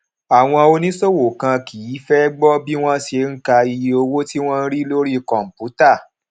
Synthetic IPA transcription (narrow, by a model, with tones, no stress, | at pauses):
a˨w̃ɔ̃˧o˧nĩ˦so˦wo˨kã˧ki˨ji˨˦fɛ˦ɡ͡bɔ˦bi˦w̃ɔ̃˦ʃe˧ŋ̩˦ka˧i˧jo˧wo˦ti˦w̃ɔ̃˦n̩˦ɾi˦lo˦ɾi˦kɔ̃˨m̩˨pu˨˦ta˦˨